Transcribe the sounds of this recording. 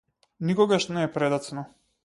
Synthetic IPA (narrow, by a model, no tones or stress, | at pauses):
nikɔɡaʃnɛːpɾɛd̪at̪snɔ